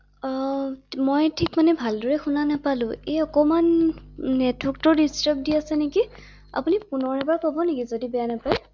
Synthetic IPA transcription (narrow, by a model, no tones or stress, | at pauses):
mojtʰikmanɛbʱaldɔɹɛxunanapalʊ̃ejɔkɔmanː | ɛtʰwɔk̚tɔdistap̚diasɛneki | a̰punipunɔɹɛbaɹkobɔnekizodibɛjanapaj